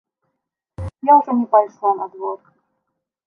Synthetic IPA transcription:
jaʊʐɛnʲɪpajʂlˠanɐd̪vor

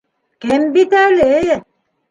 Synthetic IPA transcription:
kembit̪ale

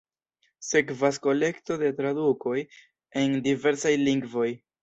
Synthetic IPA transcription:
se̞kvasko̞le̞kto̞de̞t̪ɾaduko̞j | e̞ndive̞ɾsajliŋɡvo̞j

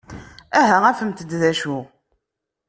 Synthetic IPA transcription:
æɦæʁæfəmt̪əd̪ðæʃʊʁ

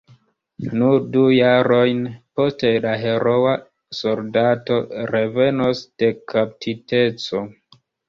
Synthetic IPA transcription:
nuɾdujaɾo̞jnpo̞ste̞laɦe̞ɾo̞wa | so̞ldato̞ɾe̞ve̞nosd̥e̞kʰap̚tʰite̞t͡so̞

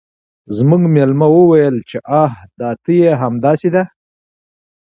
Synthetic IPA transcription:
zmuɡmelmawəwajəlt͡ʃeʔahd̪ɑt̪əjeɦamd̪ɑsed̪a

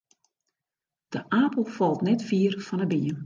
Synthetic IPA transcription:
d̥əʔaːpəl̩ˠfɔlˠtnɛtfiːərfɔnəbiən

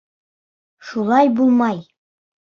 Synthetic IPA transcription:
ʃulˠɑjbulˠmɑj

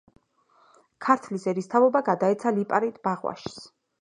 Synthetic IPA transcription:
kʰaɾt̪ʰlisɛɾist̪ʰavɔbaɡad̪aɛt̪sʰalipʼaɾit̪ʰʼbaʁwa̰ʃs

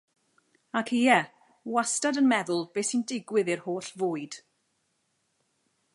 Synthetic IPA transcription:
akʰiɛ | wastadənmɛðʊlˠbeːsindɪɡwɪðɪrhoːɬvoːɨd̥

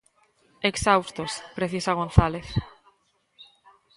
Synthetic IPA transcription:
eksawst̪ospɾeθisaɣ̞onθaleθ

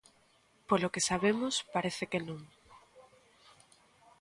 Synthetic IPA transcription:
polokesaβemʊspaɾeθekenõŋ

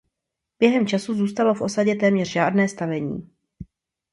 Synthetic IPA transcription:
b̥jɛɦɛmt͡ʃasuzuːst̪alo̞fʔo̞saɟɛt̪ɛːmɲɛr̥ʒaːdnɛːst̪avɛɲḭː

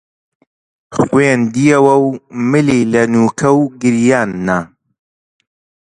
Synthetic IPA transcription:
χweːnd̪ijɐwɐwmɨliːlɐnuːkʰɐwɡɨɾjaːnːa

